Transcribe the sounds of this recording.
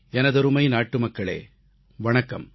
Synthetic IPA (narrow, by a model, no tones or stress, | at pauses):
ɛnɐðɐɾɯmɐɪnaːʈːɯmɐkːɐɭḛː | ʋɐɳɐkːɐ̰m